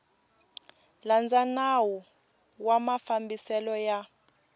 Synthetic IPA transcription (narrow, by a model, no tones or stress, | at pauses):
land͡zanawu | wamafambisɛlɔja